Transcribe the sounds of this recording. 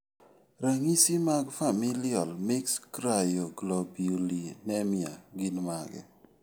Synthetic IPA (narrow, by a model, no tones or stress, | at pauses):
ɾaŋisimaɡfamiljɔlmekskɾajoɡlɔbolinɛmja̰ɡinmaɡɛ̰